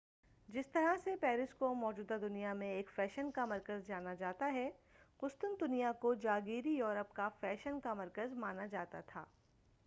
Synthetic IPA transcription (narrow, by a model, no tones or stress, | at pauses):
d͡ʒɪst̪ɐɾasepɛːɾɪskomɔːd͡ʒuːd̪ad̪ʊnijamẽeːkfɛːʃənkamɐɾkəzd͡ʒaːnad͡ʒaːt̪aɦɛkʊst̪ʊnd̪ʊnijakod͡ʒaːɡiːɾijoːɾəpkafɛːʃənkamɐɾkəzmaːnad͡ʒaːt̪at̪ʰa̰ː